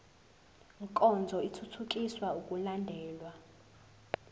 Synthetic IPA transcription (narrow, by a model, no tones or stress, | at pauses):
ŋkʼɔnd͡zʱɔitʰutʰuk̬ʼiswaukʼulandʱɛːlwa